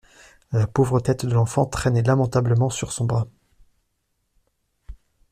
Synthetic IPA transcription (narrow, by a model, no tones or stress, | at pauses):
lapovʁət̪ɛt̪d̪əlɑ̃fɑ̃t̪χɛnɛlamɑ̃t̪abləmɑ̃syʁsɔ̃bʁa